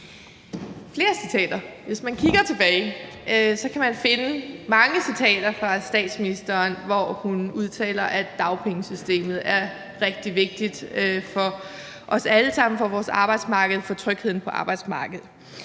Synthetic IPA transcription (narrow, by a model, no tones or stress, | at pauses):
fle̝ːɐsit͡sʰɛ̰ːd̥ɐʋe̝smænkʰiɡ̥ɐt͡sʰe̝b̥ɛːɪ | sɒ̽kʰæmænfe̝nəmɑ̈ŋəsit͡sʰɛ̰ːd̥ɐfʁɑ̈sd̥ɛ̰ːd̥sminisd̥ɐːnʋɒhunuðˠt͡sʰɛ̰ːlɐʔæ̥ɑ̈ʊpʰeŋəsysd̥e̝̰ːmð̩ˠæɐ | ʁɛɡ̥̚d̥iʋe̝ɡ̥̚d̥id̥øfɒ̽ | ʔɒ̽sæləsɑ̈m̰n̩fɒ̽ʋɒːsɑ̈ːb̥ɑ̈ɪd̥smɑ̈ːɡ̥ð̞̩ˠfɒ̽t͡sʰʁœɡ̥he̝ð̰ˠn̩pʰɒ̽ʔɑ̈ːb̥ɑ̈ɪd̥smɑ̈ːɡ̥əð̩ˠ